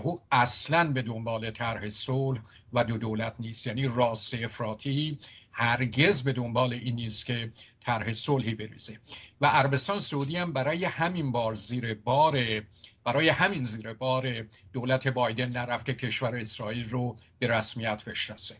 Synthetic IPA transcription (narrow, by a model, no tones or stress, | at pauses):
huːæslænbe̞d̪o̞mbɒːle̞t̪ʰæɾhe̞solh | væd̪od̪oːlæt̪ʰniːst̪jæːniːrɒːst̪eefɾɒːt̪ʰihæɾɟe̞zbe̞d̪o̞mbɒːle̞ʔiːnːiːst̪kʰe̞t̪ʰæɾhe̞solhiːbe̞ɾḭːz̥e̞væʔæɾæbe̞st̪ɒːnesouːd̪iːhæmbæɾɒːje̞hæminbɒːɾziːɾebɒːɾeb̥æɾɒːje̞hæminziːɾebɒːɾe̞d̪̥oːlæt̪ʰe̞bɒːjd̪e̞nːæɾæfkʲʰe̞cʰe̞ʃvæɾeesɾɒːiːlrob̥e̞ɾæsmijæt̪ʰb̥e̞ʃnɒse